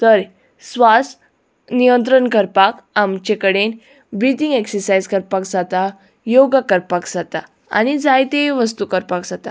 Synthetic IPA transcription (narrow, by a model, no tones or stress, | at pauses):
t̪əɾ | sʋas | nijənt̪̬ɾəɳkəɾpak | amt͡ɕekəɽen | bɾit̪iŋɡeksəɾsajzkəɾpakd͡zat̪a | joɡakəɾpakd͡zat̪a | a̰ñid͡zajt̪eʋəst̪ukəɾpakd͡zat̪a